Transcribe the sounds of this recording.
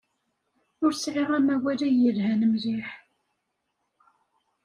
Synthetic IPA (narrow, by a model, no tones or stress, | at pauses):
ʊɾsʕeʁæmæwælæjəlhænəmliħ